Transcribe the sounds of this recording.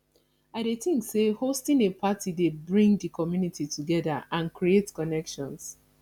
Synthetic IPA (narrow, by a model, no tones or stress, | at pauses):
aɪdeθĩŋksehostĩnepʰatidebɹĩŋdikɔmjunitʰituɡɛða̰ʔãnkɹietkɔnɛkʃɔ̃ns